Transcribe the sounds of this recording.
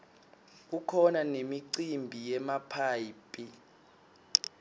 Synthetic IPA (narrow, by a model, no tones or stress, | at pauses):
k̬ukʰɔnanemiǀimbʱijɛmapʰaːjipʼi